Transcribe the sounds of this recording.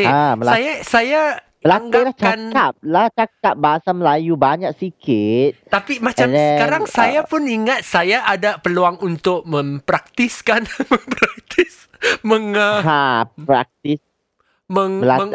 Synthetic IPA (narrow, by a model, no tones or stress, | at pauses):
eaməajasaja | əlaŋɡalaht͡ʃaanalaht͡ʃak̚ap̚baɦasaməlajubaɲak̚sikɪt̪̚t̪apimat͡ʃamsɛəkaɾaŋsajjapʊniŋat̪̚sajaʔadapəluaŋunt̪ʊk̚mə̃mpɾak̚t̪iskanmə̃mpɾak̚t̪ʰɪs | mə̃ŋəaɾa̰k̚t̪is | mə̃ŋaməŋ